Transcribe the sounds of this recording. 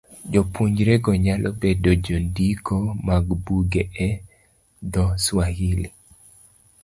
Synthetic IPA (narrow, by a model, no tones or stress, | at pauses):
d͡ʒopuɲd͡ʒɾeɡɔɲalʔɔbedod͡ʒondikʰomaɡbuɡeʔɛ | d̪ɔswahili